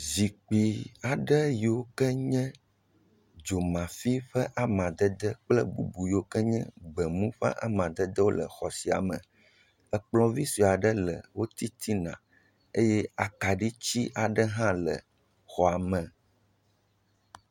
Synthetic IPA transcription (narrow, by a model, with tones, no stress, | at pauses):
zi˨k͡pi˨a˨ɖə˦ji˨wo˦kɛ˦ɲɛ̃˦ | d͡ʒo˨mã˨fi˦ɸɛ˦ʔa˦mã˨d̪ə˦d̪ə˦k͡plɛ˦bṵ˦bu˨ji˨wo˦kɛ˦ɲɛ̰̃˦ɡ͡bɛ˨mũ˦ɸɛ̰˦ʔa̰˦˨mã˨d̪ə˦d̪ə˦wo˦lə̰˨xɔ˨si˨a̰˨mə̰̃˨ | ə˨k͡plɔ̃˨vi˦si˨a˨ɖə˦lə˨wo˦t̪i˦t̪ʰi˦nã̰˨ | e˦jɛ˦a˨ka˨ɖi˦t͡ɕi˦ʔa˨ɖə˦ɦã˦lə̰˨ | xɔ˨a˨mə̃˨